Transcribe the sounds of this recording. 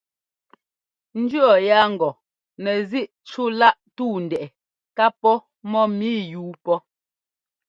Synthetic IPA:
n̩˦d͡ʒɔ˨ja˦ŋ̩˨ɡɔ˨ | nɛ˨zi˦ʔt͡ʃu˦la˦ʔtuː˦˨n̩˨dɛ˨ʔɛ˨ | ka˦pɔ˦ | mɔ˦miː˦juː˦pɔ˦

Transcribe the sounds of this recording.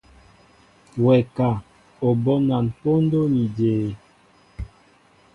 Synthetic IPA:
wɛ˨ka˨ | o˨bɔ˦ŋa˨npo˦n˦do˦mi˨d͡ʒeː˨

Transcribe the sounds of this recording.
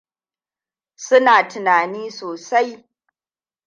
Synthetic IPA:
sʊ˦naː˨tʊ˨naː˨niː˦soː˨sa˦j

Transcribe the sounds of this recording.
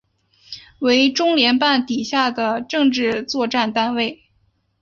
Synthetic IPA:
we˧˥ɪʈ͡ʂʊ˥ŋljɛ˧˥npa˥˩nt̪i˨˩ɕja˥˩d̪ə˩ʈ͡ʂɤ˥˧ŋʈ͡ʂɻ̩˥˧t͡swɔ˥˧ʈ͡ʂa˥˩nt̪a˥nwe˥˩ɪ

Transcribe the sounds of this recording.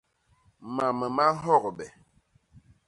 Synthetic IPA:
ma˨mə˨ma˦ɦɔ˦˨k̚bɛ˨

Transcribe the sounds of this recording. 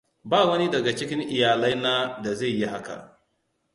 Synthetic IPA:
baː˦˨wɐ˦ni˦dɐ˨ɡa˨t͡ʃɪ˦kʲɪ˦ŋʔɪ˨jaː˨lɐ˦jnaː˦da˨za˦˨jːi˦ha˦ka̰˨ʔ

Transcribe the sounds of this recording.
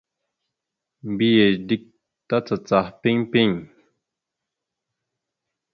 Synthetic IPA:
mbi˨je˨d̪i˩˨k̚ | t̪a˥˦t͡sʰə˨t͡sa˨pe˥ŋpe˥˨ŋ

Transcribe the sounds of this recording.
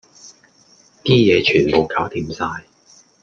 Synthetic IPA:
t̪iː˥jɛː˨˧t͡ʃʰyː˨˩npo˨˧wkʰaː˨˥wt̪iː˨˧msaː˧j

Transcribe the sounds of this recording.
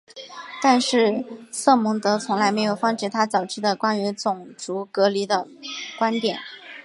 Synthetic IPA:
t̪a˥˧nʂɻ̩˥˧sɤ˥˩mʊ˧˥ŋt̪ɤ˧˥t͡sʰʊ˧˥ŋla˧˥ɪme˧˥ɪjo˨˩ʊfɑ˥ŋʈ͡ʂɻ̩˧˥˩t̪ʰa˥t͡sɑ˨˩ʊʈ͡ʂʰɻ̩˥˩d̪ə˩kwa˥ny˧˥t͡sʊ˨˩ŋʈ͡ʂu˧˥kɤ˧˥li˧˥d̪ə˧ | kwa˥nt̪jɛ˨˩˦n

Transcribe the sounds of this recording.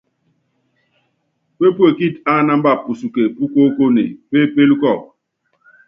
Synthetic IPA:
ke˦pwe˨ki˦˨ta˦˨na˦m̩˦ba˦˨pu˨su˨ke˨pu˦ko˦ko˦nḛ˨pe˦pe˦lu˦kɔ˦˨

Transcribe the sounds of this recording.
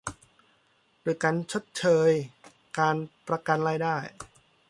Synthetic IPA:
ɾɯː˧˩ka˧nt͡ɕʰo˦˥t̪̚t͡ɕʰɤː˧j | kaː˧npɾa˧ka˧nɾaː˧˩jdaː˥˩j

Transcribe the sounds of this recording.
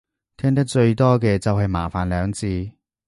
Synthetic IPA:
t̪ʰɛː˥ŋt̪̬ɐ˥k̚t͡ʃɵ˧ɥt̪ɔː˥kɛː˧t͡sɐ˨wɦɐ˨jma̰ː˨˩faː˨˩nlœː˨˧ŋt͡siː˧

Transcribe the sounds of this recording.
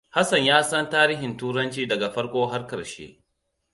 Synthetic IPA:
ha˦sɐ˨ɲjaː˦sɐ˦ntaː˦ɾiː˦ɦɪ˨ntuː˦ɾɐ˦nt͡ʃiː˦dɐ˨ɡa˨ɸɐ˦ɽkʷʼoː˦ɦa˦rkɐ˨ʃḛ˦

